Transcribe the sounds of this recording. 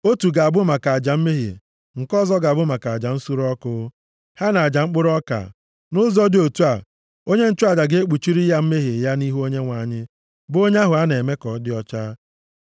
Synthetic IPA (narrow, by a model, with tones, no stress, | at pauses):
o˦tu˨ɡa˨bʊ˦ma˨ka˨a˨d͡ʒa˨m̩˦me˦ɦḭ˨ | ŋ̩˨kɔ˦zɔ˦ɡa˨bʊ˦ma˨ka˨d͡ʒa˨n̩˦su˦ɾɔ˦kʊ˨˦ | ha˦na˨a˨d͡ʒa˨ŋ͡m̩˦k͡pʊ˦ɾɔ˦ka̰˨ | nʊ˦zɔ˦dɪ˦˨o˨tu˦a˨ | o˦ɲe˦n̩˦t͡ʃʊ˦a˨d͡ʒa˨ɡe˦e˦k͡pu˨t͡ʃi˦ɾi˦ja˦m̩˦me˦ɦi˨ja˦ni˦ɦu˦o˦ɲe˦ŋʷa˨ɲɪ˦ | bo˦ɲe˦a˦ɦʊ˨a˦ne˨me˦kɔ˨˦dɪ˦ɔ˦t͡ʃa˦